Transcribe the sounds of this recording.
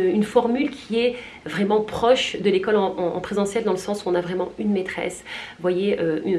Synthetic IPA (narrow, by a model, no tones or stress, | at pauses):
ynfɔʁmylkʲʰiɛ | vʁɛmɑ̃pχɔʃd̪əlekɔlɑ̰̃ːpχezɑ̃sjɛld̪ɑ̃ləsɑ̃suɔ̃navʁɛmɑ̃ynmet̪χɛ̰svwajeøy